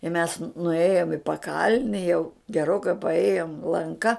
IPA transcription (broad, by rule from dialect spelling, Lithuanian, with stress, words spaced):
ɪ mʲɛs nʊˈeːjoːm ɪ pɐˈkɐlʲnʲɪ jɛʊ ɡʲɛˈroːkɐɪ pɐˈeːjoːm lˠɐŋˈkɐ